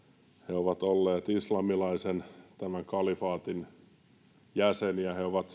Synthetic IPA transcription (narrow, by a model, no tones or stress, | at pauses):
heoʋɑt̪olːeːt̪islɑmilɑisent̪æmæŋkɑlifɑːt̪in | jæseniæheoʋɑt̪